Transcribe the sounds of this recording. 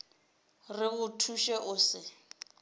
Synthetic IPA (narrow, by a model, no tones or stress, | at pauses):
rɪɣʊtʰuʃɛʔʊːsɪ